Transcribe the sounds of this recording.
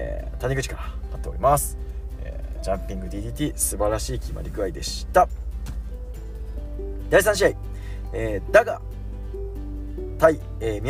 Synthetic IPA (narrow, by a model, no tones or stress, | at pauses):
ḛt̪aɲ̟ʲiɡɯ̟t͡ɕi̥kaɾaat̪ːeoɾʲimasɨ̥ | ḛːd͡ʑãmpʲĩŋɡɯ̟d̪ʲiːd̪ʲiːt̪ʲiːsɨbaɾaɕiːkʲima̰ɾʲikɯ̟aid̪e̞ɕi̥t̪a | d̪̥aisãɕ̬iai | eːd̪aɡa̰ | t̪ai | eːmʲi